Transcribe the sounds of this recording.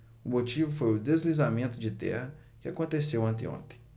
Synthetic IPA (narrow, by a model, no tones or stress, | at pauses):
ʊmot͡ʃivʊfojʊd̪ezlizamẽnt̪ʊd͡ʒɪt̪ɛ̰hɐ | kɪakõnt̪esewɐ̃nt̪ɪõ̰nt̪ẽ̥j̃